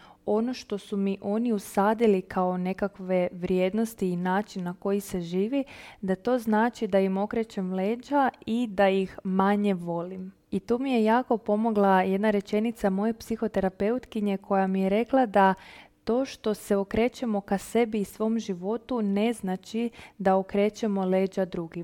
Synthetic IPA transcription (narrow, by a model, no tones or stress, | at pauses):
o̞no̞ʃt̪o̞sumiʔo̞niusaːd̪ilikʰao̞ne̞kakʋe̞ʋɾjeːd̪nost̪iːnaːt͡ʃinːako̞jise̞ʒiːʋid̪at̪o̞ːznaːt͡ʃid̪aimo̞kɾe̞t͡ʃe̞mleːd͡ʒaid̪ajixmaɲe̞ʋo̞lim | it̪uːmije̞jaːko̞po̞mo̞ɡlˠaje̞d̪naɾe̞t͡ʃe̞nit̪samo̞je̞psixo̞t̪e̞ɾape̞ut̪kiɲe̞kʰo̞jamijeɾe̞klˠad̪at̪o̞ːʃt̪o̞se̞okɾe̞ːt͡ʃe̞mo̞kase̞biːsʋo̞mʒiʋo̞t̪une̞znat͡ʃid̪aokɾe̞ːt͡ʃe̞mo̞le̞ːd͡ʒad̪ɾuɡi